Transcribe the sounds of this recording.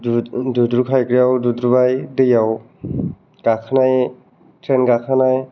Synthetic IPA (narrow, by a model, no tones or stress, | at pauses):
dudɾukʰajkɾijawdudɾubajdɯjaw | ɡ̥akʰanaj | tʰɾenɡakʰanaj